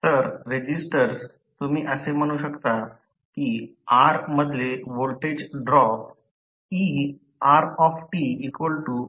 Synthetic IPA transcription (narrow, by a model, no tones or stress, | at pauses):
t̪əɾɾed͡ʑisʈəɾs | t̪umiːʔəsem̤əɽ̃uːɕəkt̪a | kiaɾməd̪ʱleʋolʈed͡ʑɖɾɔp̚ | i | aɾɔfʈiːkʋəlʈu